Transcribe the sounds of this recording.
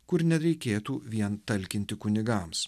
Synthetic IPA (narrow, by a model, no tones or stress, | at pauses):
kʊɾnʲɛɾʲɛɪkʲeːt̪uːʋʲiɛnt̪ɐlʲkʲɪnʲt̪ʲɪkʊnʲɪɡɑms